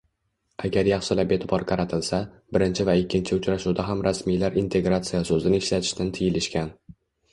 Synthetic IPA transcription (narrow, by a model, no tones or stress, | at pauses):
aɡʲaɾjɑχsɪlape̞t̪ʰɪbɒɾqʰɑɾat̪ʰɪlsa | bɪɾɪnt͡ʃʰɪvaɪkʲːɪnt͡ʃʰɪʊt͡ʃɾaʃuwd̪aɦamɾasmijlaɾint̪ʰe̞ɡɾat̪sijasɵzɪnɪɪʃlat̪ʰɪ̥ʃt̪ʰant̪ʰɪjɪlɪʃkʲan